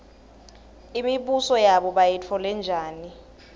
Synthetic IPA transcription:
imiɓusɔjaɓɔɓajɛt͡fʰɔlɛnd͡ʒʱaːni

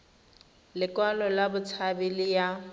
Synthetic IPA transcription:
lɪkwalɔlabʊt͡sʰabɪlɪja

